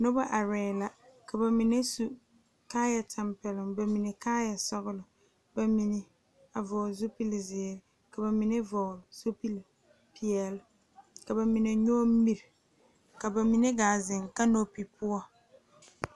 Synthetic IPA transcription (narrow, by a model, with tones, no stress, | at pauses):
nʊ˦ba˦ʔa˨ɾɛː˨la˨ka˨ba˨mi˨ne˦su˦ | kaː˦ja˨tʰa˨mpɛ˨lɪ˨ŋba˨mi˨ne˨kaː˦ja˨sɔ˦ɣʊ˦lʊ˨ | ba˨mi˨ne˨ | a˨vɔː˨zo˦pi˦lzɪː˨ɾɪ˨ | ka˨ba˨mi˨ne˦vɔ˨lz̥o˦pi˦l | pʰi˨ɛ˨l | ka˨ba˨mi˨ne˨ɲɔ˦m˦mi˨ɾ | ka˨ba˨mi˨ne˦ɡaː˨zɪ˨ŋka˦no˦pi˨pʰʊ˦ɔ˦˨